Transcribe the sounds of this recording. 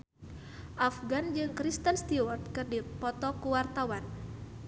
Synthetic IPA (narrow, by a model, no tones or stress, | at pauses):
ʔafɡand͡ʒɨŋkɾist̪ənst̪iwɔrt̪̚kɨrdipɔt̪ɔkuwart̪awan